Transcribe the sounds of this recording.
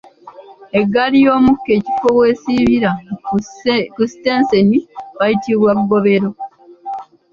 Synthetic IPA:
e̞ɡːalijo̞ːmukːe̞ːci̥fo̞we̞ːsiβiɾa | kusi̥te̞ːnse̞niβajitiβwaβuɡo̞βe̞ɾo̞

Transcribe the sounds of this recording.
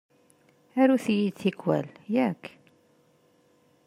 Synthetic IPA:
æɾuθjid̪θikːwæ̰ljækː

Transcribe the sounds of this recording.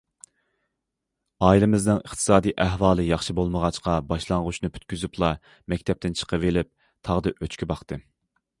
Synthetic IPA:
ɑːilɪmɪznɨŋəχt̪ʰɨ̥sɑːd̪ijʔæɦwɑːlˠɨjɑχʃibolˠməʁɑt͡ʃqɑbɑʃlˠɑŋʁʊʃnɨpʰy̥t̪̚kʲyzyplˠɑ | mɛkʲt̪ʰɛp̚t̪ɪnt͡ʃʰə̥qʰəvelɪp̚ | t̪ʰɑʁd̪ɨʔøt͡ʃkʲʰibɑχt̪ɨ

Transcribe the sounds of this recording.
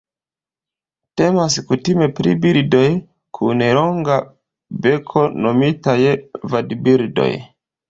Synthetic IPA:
te̞maskutime̞pɾḭbildo̞j | kʰuneloŋɡa | be̞kʰo̞no̞mitajvadbiɾdo̞̰j

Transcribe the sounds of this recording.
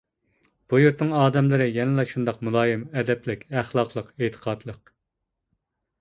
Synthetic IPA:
b̥ujuɾt̪nɨŋɑːd̪ɛmlɨɾɪjɛnɪlˠɑʃund̪ɑqmulˠɑːjɪmɛd̪ɛplɪkʲæχlˠɑqlˠəqet̪ʰə̥qʰɑd̪lˠəq

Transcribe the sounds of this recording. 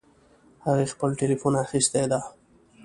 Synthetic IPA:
haɣixpəlʈelifunaxist̪ed̪a

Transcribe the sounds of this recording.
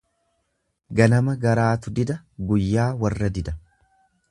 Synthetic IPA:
ɡɐnɐmɐɡɐɾaːt̪ʊd̪ɪd̪ɐ | ɡʊjːaːwɐrːɐd̪ɪd̪ɐ

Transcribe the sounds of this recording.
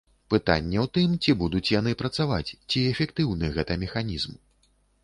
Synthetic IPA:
pɨt̪a̰nʲːɛwt̪ɨmt͡sʲibud̪ut͡sʲjanɨpɾɐt̪savat͡sʲt͡sʲiɛfʲɛkt̪ɨwnɨɣɛt̪ɐmʲɛxanʲizm

